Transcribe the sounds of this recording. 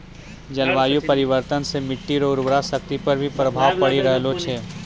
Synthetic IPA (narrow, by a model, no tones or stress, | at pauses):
d͡ʒɐlʋaːjupɐɾɪʋəɾt̪ənsemɪʈːiɾoːɾbɾasɐk̚t̪ipɐɾbʱipɾɐbʱaːʋpɐɽiɾɐɦlot͡ʃʰeː